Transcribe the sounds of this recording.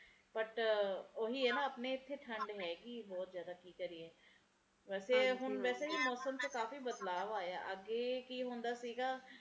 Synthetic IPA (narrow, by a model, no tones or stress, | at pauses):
pəʈoːɦiːɦɛːnãːəpneːɪt̪ʰːeːʈʰəɳɖɦɛːɡiːbɔːt̪zjaːd̪aːkiːkəɾiːɛː | ʋɛːseːɦʊnʋɛːseːɦiːmɔːsəmt̪okaːfiːbəd̪laːʋaːjaːʔəɡeːkiːɦõːnd̪aːsiːɡaː